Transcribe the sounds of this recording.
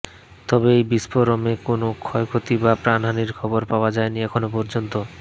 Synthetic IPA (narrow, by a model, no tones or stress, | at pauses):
t̪ɔbeejbispoɾɔmekonokʰɔekʰot̪ibapɾanɦaniɾkʰɔboɾpaoad͡ʑaeniɛkʰonopɔɾd͡ʑont̪o